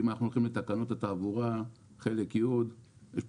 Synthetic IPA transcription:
imanaχnuolχimlet̪akanot̪at̪aːvuʁa | χe̞lekjud̪ | jeʃ

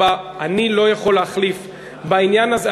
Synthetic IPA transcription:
aanilo̞jaχo̞leaχlif | bainjanaze

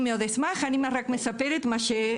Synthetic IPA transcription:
meoðesmaχanimarakmesapeɾet̪maʃe

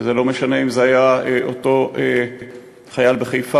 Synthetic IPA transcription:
zelo̞meʃane̞imzeajaeʔoto̞e | χajalbeχejfa

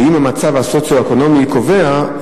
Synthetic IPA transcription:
imamat͡savhasot͡sjoekono̞miko̞vea

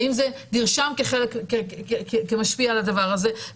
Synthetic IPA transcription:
imzed̪iʁʃamkeχelekː | kemaʃpialad̪avaʁaze̞

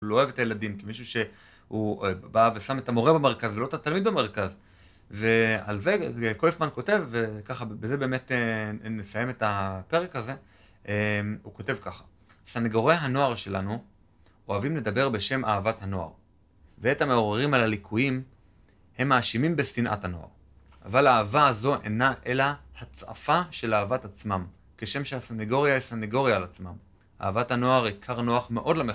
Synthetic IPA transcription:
loevetajeladimkimiʃuʃe̞ | hubavesametamo̞ʁe̞beme̞ʁkazvelo̞t̪atalmid̪̚beme̞ʁkaz | ve̞a̰lze̞kolefmanko̞te̞vːe̞kaχabeze̞be̞ːmetenesaje̞metape̞ʁekhaze̞ | ʔemuko̞te̞vkaχḁ | saneɡoʁejɦano̞aʁʃe̞la̰nu | o̞avimle̞d̪abe̞ʁbe̞ʃe̞maːvathano̞a̰ʁ | veethame̞oʁeʁimalalikʰujim | he̞mːaːʃimimbe̞sinʔa̰thano̞̰a̰ʁ | a̰valaːvaːzo̞ʔe̞̰naʔe̞lahat͡sa̰faʃe̞lavatat͡smam | keʃe̞mʃeasaneɡo̞ʁjaisaneɡo̞ʁjaːlat͡smam | a̰ːvathano̞aʁikʰaʁno̞aχme̞ʔo̞dlame

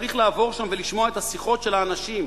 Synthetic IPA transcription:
ʁiχlaːvo̞ʁʃamveliʃmo̞aet̪asiχo̞t̪ʃe̞laːnaʃim

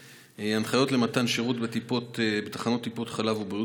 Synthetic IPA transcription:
eanχajo̞tle̞mat̪anʃeʁut̪bet̪ipotbet̪ḁχano̞t̪ːipo̞t̪χalavubʁiu

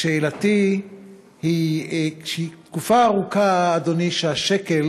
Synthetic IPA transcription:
ʃeːlat̪i | hiʃit̪kufaːʁukaːd̪oniʃeaʃekel

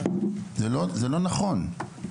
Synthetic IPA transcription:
zelozelo̞naχo̞n

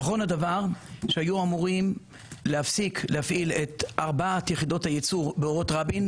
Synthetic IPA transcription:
naχo̞nadavaʁʃehajuamuʁim | lehafsiklehafʔilet̪ʔaʁbaat̪jeχido̞thajet͡suʁbeoʁo̞tʁabin

